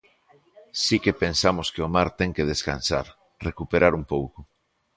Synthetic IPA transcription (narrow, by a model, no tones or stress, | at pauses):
sikepẽnsamoskeomaɾt̪eŋkeð̞eskansa̰ɾ | rekupeɾaɾumpowko